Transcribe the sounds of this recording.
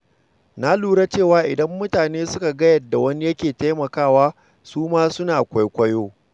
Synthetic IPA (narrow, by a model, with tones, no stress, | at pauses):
na˦luː˦ɾa˦t͡ʃeː˦˨waː˦ʔɪ˨dɐ˦mːʊ˦taː˨neː˦sʊ˦ka˨ɡɐ˦jɐ˨dːa˨wɐ˦ni˦jɐ˦kʲeː˨ta˦jmɐ˨kaː˦˨waː˦ | suː˦maː˦sʊ˦naː˨kʷa˦jkʷɐ˦joː˦